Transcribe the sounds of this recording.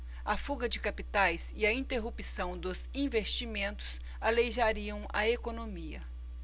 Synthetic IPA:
ɐfuɡɐd͡ʒɪkapit̪ajsɪɐĩt̪eɦupisɐ̃w̃d̪ʊzĩvest͡ʃimẽnt̪ʊ̥s | alejʒaɾiɐ̃w̃ɐekonomiɐ

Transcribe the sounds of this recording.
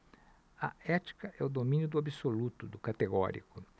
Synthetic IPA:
ɐɛt͡ʃi̥kɐʔɛʊd̪omĩnjʊd̪ʊabisolut̪ʊd̪ʊkat̪eɡɔ̰ɾḭkʊ

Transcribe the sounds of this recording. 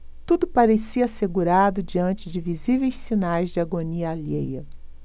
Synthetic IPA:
t̪ud̪ʊpaɾesiɐaːseɡuɾad̪ʊd͡ʒiɐ̃nt͡ʃɪd͡ʒɪvizivejssinajzd͡ʒɪaɡoniɐalḛjɐ

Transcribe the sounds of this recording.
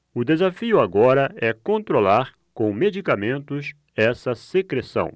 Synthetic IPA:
ʊd̪ezafiʊaɡɔɾɐɛkõnt̪ɾolaɾ | kõw̃med͡ʒikamẽnt̪ʊs | ɛsɐsekɾesɐ̰̃w̃

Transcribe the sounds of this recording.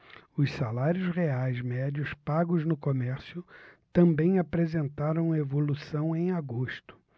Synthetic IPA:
ʊssalaɾjʊzʁeajzmɛd͡ʒiʊspaɡʊznʊkomɛɾsjʊt̪ɐ̃mbẽj̃apɾezẽnt̪aɾɐ̃w̃ɐevolusɐ̃w̃ẽj̃aɡoʃt̪ʊ̥

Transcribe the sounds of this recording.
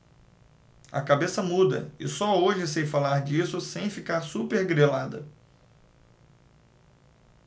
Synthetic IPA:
ɐ̰kabesɐmud̪ɐ̰ɪsɔoʒɪsejfalaɾd͡ʒisʊsẽj̃fikaɾsupeɾɡɾelad̪ɐ̰

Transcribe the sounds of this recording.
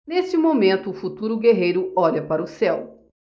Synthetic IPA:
nest͡ʃɪmomẽnt̪ʊːfut̪uɾʊɡeɦejɾʊɔʎɐpaɾɐʊsɛw

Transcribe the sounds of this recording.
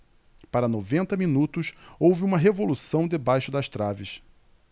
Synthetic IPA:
paɾɐnovẽnt̪ɐmĩnut̪ʊsowvɪũmɐɦevolusɐ̃w̃d̪ebajʃʊd̪ɐʃt̪ɾavɪs

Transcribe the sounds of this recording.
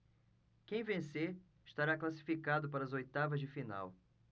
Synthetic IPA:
kẽj̃vẽse | ɪʃt̪aɾaklasi̥fikad̪ʊpaɾɐzojt̪avɐzd͡ʒɪfina̰w

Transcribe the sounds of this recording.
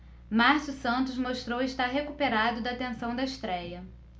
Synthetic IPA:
maɾsusɐ̃nt̪ʊzmoʃt̪ɾowɪʃt̪aɾɦekupeɾad̪ʊd̪ɐt̪ẽsɐ̃w̃d̪ɐɪʃt̪ɾɛjɐ

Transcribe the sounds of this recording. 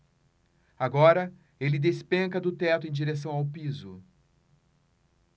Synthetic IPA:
aɡɔɾɐ | elɪd̪espẽŋkɐd̪ʊt̪ɛt̪ʊẽj̃d͡ʒiɾes̬ɐ̃w̃awpizʊ

